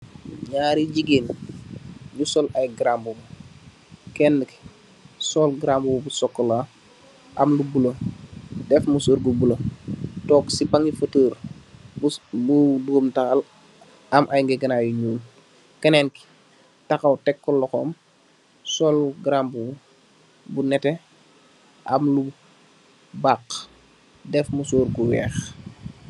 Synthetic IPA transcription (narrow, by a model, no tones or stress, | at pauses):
ɲaːɾiɟiɡeːn | jusɔlajɡɾambumu | kɛnːəki̥ | sɔlɡɾambububusɔkːəla | ʔamlubulə | dɛfmusuːɾɡubulotɔːksipaŋifətəːɾ | buduɡumtaxal | ɐmʔajŋɡɛɡɐnajuɲuːl | kɐnɛnki̥ | tɐxɐwtɛkːɔlːɔxɔːm | sɔlɡɾambuu | bunɛtɛ | ʔɐmlu | bak | dɛfmusuːɾɡuwɛ̰ːx